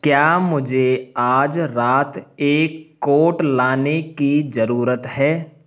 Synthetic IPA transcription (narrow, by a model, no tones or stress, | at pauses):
kjaːmʊd͡ʒʱeaːd͡ʒɾaːt̪eːkːoːʈlaːnekizɐɾuːɾət̪ɦɛː